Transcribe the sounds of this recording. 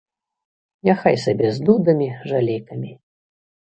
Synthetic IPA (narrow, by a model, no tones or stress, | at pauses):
nʲaxajsabʲɛzd̪ud̪ɐmʲiʐalʲejkɐmʲi